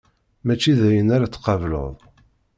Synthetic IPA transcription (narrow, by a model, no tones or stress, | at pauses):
mæt͡ʃːiðæjənaɾat͡sːqɑvlə̰ðˤ